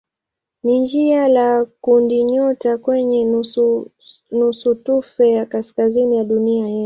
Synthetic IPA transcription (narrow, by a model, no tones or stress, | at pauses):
nind͡ʒialakundiɲɔtakwɛɲɛ | nusutufɛjakaskazinijaɗuniajɛ